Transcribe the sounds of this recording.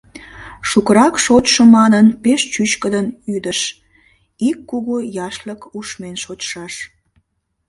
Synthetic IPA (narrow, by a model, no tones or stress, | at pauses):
ʃukəɾɑkʃotʃəmɑnənpeʃt͡ɕyt͡ɕkəd̪ənyd̪əʃ | ikːuɣojɑʃləkuʃmenʃotʃɑʃ